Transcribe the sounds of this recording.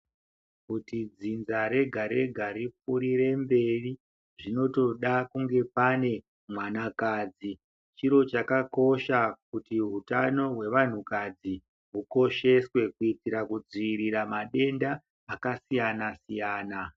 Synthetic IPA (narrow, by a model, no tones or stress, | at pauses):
kutid͡zinzaɾe̞ɡʱaɾe̞ɡʱaɾipuɾire̞mbe̞ri | ʐino̞to̞ɗakuŋɡe̞pane̞ | mwanakaːd͡zi | t͡ʃiɾo̞t͡ʃakako̞ʃakutiɦutano̞ɦwe̞ʋan̤ukad͡zi | ɦuko̞ʃe̞swe̞kuitiɾakud͡ziiɾiɾamaɗe̞ndaː | kasijanasijaːna